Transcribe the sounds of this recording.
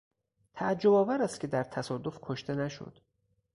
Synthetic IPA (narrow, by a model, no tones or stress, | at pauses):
t̪ʰæd͡ʒːo̞bɒːvæɾæst̪kʰʲe̞d̪æɾt̪ʰæsɒːd̪o̞fkʰoʃt̪e̞næʃo̰d̪̥